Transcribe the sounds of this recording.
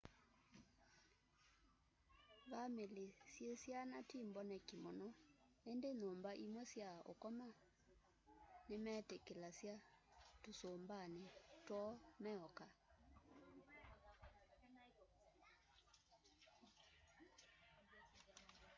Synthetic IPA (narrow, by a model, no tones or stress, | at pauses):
βamelesjesjanatimbɔnɛkimɔnɔ | endenoːmbaʔimwɛsjao̰kɔma | nemɛːtekelasjatosoːmbanetwɔmɛɔka